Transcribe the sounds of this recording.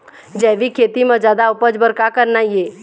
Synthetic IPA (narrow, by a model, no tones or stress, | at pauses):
d͡ʒɛːʋikʰeːt̪imə̃d͡ʒaːd̪aʊpəd͡ʒbəɾkakəɾnaieː